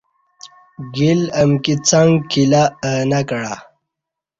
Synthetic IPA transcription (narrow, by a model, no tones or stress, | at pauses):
ɡilɐmkit͡saŋɡkʰilanakəɽa